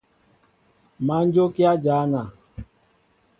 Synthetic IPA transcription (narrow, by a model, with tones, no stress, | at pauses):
ma˦n˦d͡ʒo˦ki˦a˦d͡ʒaː˨˦na˨